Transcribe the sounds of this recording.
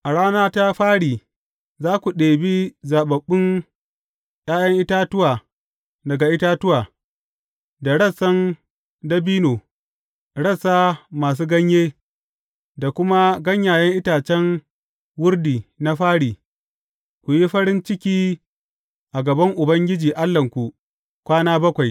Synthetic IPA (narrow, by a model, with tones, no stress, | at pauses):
ʔa˨ɽaː˦naː˦ta˦ɸaː˦ɽiː˨ | zaː˦kʷu˨ɗeː˨bi˦zaː˨ɓɐ˨ɓːʊ˦n | jaː˦jɐ˦ŋʔɪ˦ta˦tʊ˦waː˨ | dɐ˨ɡa˨ʔɪ˦taː˦tʊ˦waː˨ | da˨ɽɐ˦˨sɐ˦ŋ | dɐ˦biː˦noː˨ | ɽɐ˦saː˦maː˨s̬uː˦ɡɐ˦ɲjeː˦ | da˨kʷʊ˦ma˦ɡɐ˦ɲjaː˨jɐ˦ŋʔɪ˦taː˨t͡ʃɛ˦n | wʊ˦rdiː˨na˦ɸaː˦ɽiː˨ | kʷu˨ji˦ɸɐ˦ɾɪ˦nt͡ʃɪ˦kʲiː˦ | ʔa˨ɡɐ˨bɐ˦ŋʔʊ˨bɐ˦ŋɡʲɪ˦d͡ʒiː˨ʔa˦lːɐ˨ŋkʷu˨ | kʷaː˦naː˦bɐ˦kʷa˨j